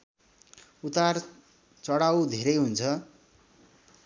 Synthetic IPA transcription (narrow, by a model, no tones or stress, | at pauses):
ut̪ar | t͡sʌɽawd̪ʱeɾʌjɦunt͡sʰʌ